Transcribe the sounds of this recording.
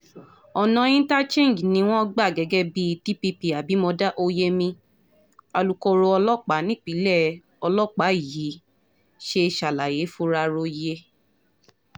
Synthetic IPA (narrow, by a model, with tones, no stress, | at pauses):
ɔ˨nã˧ĩ˦ta˦t͡ʃẽ˦˨n˨d͡ʒnĩ˧˦w̃ɔ̃˦ɡ͡ba˦˨ɡɛ˨˦ɡɛ˦bi˦ti˦pi˧pi˧a˨bi˨˦mɔ̃˧da˦ʔo˧je˦mĩ˧ | a˧lu˨ko˧ɾo˧ɔ˧lɔ˦˨k͡pa˨˦nĩ˦k͡pi˨˦lɛ˦˨ | ɔ˧lɔ˦˨k͡pa˨˦i˦˨ji˨˦ | ʃe˧ʃa˨la˨je˨˦fu˧ɾa˧ɾo˧je˦